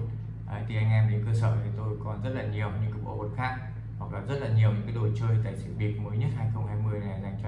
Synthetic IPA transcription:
ʔa˨˦jt̪ʰi˨˩ʔa˧jŋ̟ʔɛ˧mɗe˨˦nkəː˧sə̰ː˧˩t̪ʰi˨˩t̪o˧jkɔ˨˩nzə˦˥t̚laː˨˩ɲi˨˩əwɲɨ̰˧˥ŋkaː˨˦ɓo̰˧˩vo˨˩t̚xaː˦˥k̚ | hwa˨˩k̚la˨˦zə˦˥t̚laː˨˩ɲi˨˩əwɲɨ̰˧˥kaː˨˦jɗo˨˧˩t͡ɕəː˧jt̪a̰ː˧˨jsḭ˧˩˨ɓi˨˩ət̚məː˨˦jɲə˦˥t̚haː˧jxə˧wŋ͡mhaː˧jmɨ˧əjna˨˩za˧˩ŋt͡ɕɔ˧

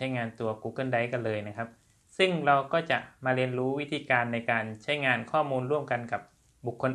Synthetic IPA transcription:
a˦˥jŋaː˧nt̪u˧ɐkuː˧˩kɤː˧˥˨nda˧˩jka˧nlɤː˧jna˦˥kʰa˦˥p̚ | sɯ˥˩ŋɾa˧wkɔː˥˩t͡ɕa˨˩ʔmaː˧ɾi˧ənɾuː˦˥wi˦˥t̪ʰiː˧kaː˧nːa˧jkaː˧nt͡ɕʰa˦˥jŋaː˧nkʰɔː˥˩muː˧nɾu˥˩əmka˧nka˨˩p̚ | bu˨˩kʰːo˧n

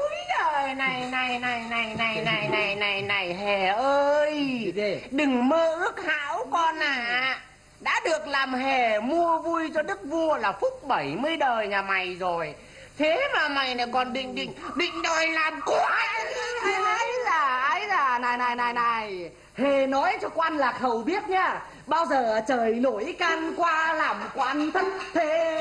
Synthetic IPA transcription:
jəː˨˩na˨˩jna˨˩jna˨˩jna˨˩jna˨˩jna˨˩jna˨˩jna˨˩jna˨˩jɦɛ˨˩ʔəː˧j | ɗɨ˨˩ŋməː˧ʔɨ˦˥ək̚ha̰ː˧˥wkɔ˧nʔaː˨˩ | ɗa̰ː˧˥ɗɨ˨˩ək̚laː˨˩mɦɛ˨˩mu˧əvu˧jt͡ɕɔ˧ɗɨ˦˥k̚vu˧əlaː˨˩fʊ˦˥k͡p̚ɓə˧˩jmɨ˧əjɗəː˨˩jɲaː˨˩ma˨˩jzo˨˩j | t̪ʰe˨˦maː˨˩ma˨˩jna˨˩jkɔ˨˩nɓḭ̈˧˨ŋ̟ɗḭ̈˧˨ŋ̟ɓḭ̈˧˨ŋ̟ɗɔ˨˩jlaː˨˩mku˧˦ʔ | a˨˦jzaː˨˩ʔa˨˧˦jzaː˨˩naː˨˩jna˨˩jna˨˩jna˨˩j | he˨˩nɔ˨˦jt͡ɕɔ˧ka˧nlaː˨˩xə˨˩wɓi˦˥ət̚ɲaː˧ | ɓaː˧wzəː˨˩t͡ɕəː˨˩jno˧˩jkaː˧nkwaː˧laː˨˩mkwaː˧nt̪ʰə˦˥t̚t̪ʰe˧˨˧

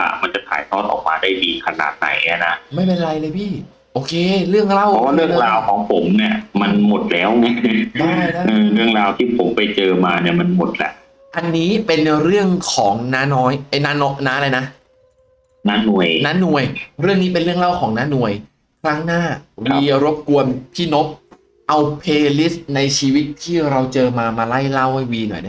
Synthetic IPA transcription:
a̰˧˩ma˧nt͡ɕa˨˩t̪ʰa̰ː˩˦jt̪ʰɔː˥˩t̪̚ʔɔ̰ː˨˩k̚maː˧daː˥˩jdiː˧kʰa˧na̰ː˨˩t̪̚na̰˩˦ja˧˥˩na˦˥ma˥˩jpe˧n˧ɾa˧jlɤː˧jpʰiː˥˩ | ʔoː˧kʰeː˧ɾɯ˥˩əŋɾa˥˩wʰɔ˦waː˥˩ɾɯ˥˩əɾaː˧wkʰɔː˩˦ŋpʰo˩˦mni˥˩ɐma˧nmo˨˩t̪̚lɛː˦˥wŋa˦˥˩daː˥˩daː˥˩ʔɤː˧ɾɯ˥˩əŋɾaː˧wt̪ʰiː˥˩pʰo˩˦mpa˧jt͡ɕɤː˧maː˧ni˥˩ɐma˧nmo˨˩t̪̚lɛ̰˨˩ʔ | ʔa˧nːiː˦˥pe˧nɾɯ˥˩əŋkʰɔː˩˦ŋnaː˦˥nɔː˦˥jpe˧nːa˦˥nɔ˦˥naː˦˥la˧jna˦˥ | naː˦˥nu˨˩əjnaː˦˥nu˨˩əjɾɯ˥˩əŋniː˦˥pe˧nɾɯ˥˩əŋla˥˩wkʰɔː˩˦ŋnaː˦˥nu˨˩əj | kʰɾaː˦˥ŋnaː˥˩wiː˧ɾo˦˥p̚ku˧ənpʰiː˥˩no˦˥p̚ | ʔa˧wpʰeː˧li˦˥sna˧jt͡ɕʰiː˧wi˦˥t̪ʰːiː˥˩ɾa˧wt͡ɕɤː˧maː˧maː˧la˥˩jla˥˩wha˥˩jwiː˧nɔ̰˨˩jda˥˩

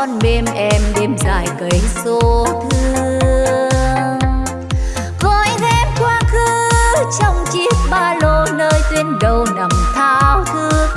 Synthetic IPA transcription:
ɔ˧nɓe˧mʔɛ˧mɗe˧mza̰ː˧˨jkə˨˦jso˧˦t̪ʰɨ˧ | ɣɔ˨˧˦jɣɛ˧˥m̚kwaː˧xɨ˧˦t͡ɕɔ˧wŋ͡mt͡ɕi˦˥əp̚ɓaː˧lo˧˦nəː˧jt̪we˧nkə˨˩wna˨˩mt̪ʰaː˧˥wt̪ʰɨ˧

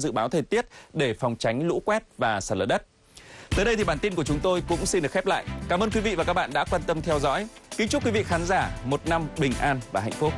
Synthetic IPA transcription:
zɨ̰˧˨ɓaː˨˦wt̪ʰəː˨˩jt̪i˦˥ət̚ɗe˧˩fɔ˨˩wŋ͡mt͡ɕa˨˦jŋ̟lṵ˧˥kwɛ˦˥t̚vaː˨˩saː˧˩ləː˨˧˩ɗə˦˥t̚ | t̪əː˨˦jɗə˧jt̪ʰi˨˩ɓaː˧˩nt̪i˧nku˧˩t͡ɕʊ˨˦ŋ͡mt̪o˧jkʊ̰˧˥ŋ͡msi˧nɗɨ˨˩əkxʰɛ˦˥p̚la̰ː˧˨jkaː˧˩mʔəː˧nkwi˨˦vḭ˧˨vaː˨˩ka˦˥k̚ɓa̰ː˧˨nɗa̰ː˧˥kwaː˧nt̪ə˧mt̪ʰɛ˧wzɔ̰˧˥jkï˨˦ŋ̟t͡ɕʊ˦˥k͡pkwi˨˦vḭ˧˨xaː˨˦nzaː˧˩mo˨˩t̚na˧mɓï˨˩ŋ̟ʔaː˧nvaː˨˩ɦa̰˧˨ŋ̟fu˦˥k̚

